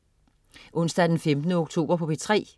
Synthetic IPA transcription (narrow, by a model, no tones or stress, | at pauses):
ʔɔ̽n̰sd̥æd̥enfemd̥nəoɡ̥̚t͡sʰo̝̰ːb̥ɐpʰɒ̽b̥e̝t͡sʰʁɛ̰ː